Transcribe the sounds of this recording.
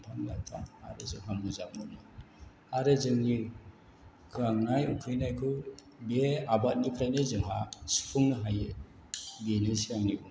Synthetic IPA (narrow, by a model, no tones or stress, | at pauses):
pʰanla̰tʰa̰a̰ɾɯzɯŋɦamuzap̚munɯ | aɾɯzɯŋni | ɡaŋnajukʰɯjnajkʰɯ | beabat̚nipʰɾajnɯzɯŋɦasi̥pʰuŋnɯɦaje | benesiaŋniu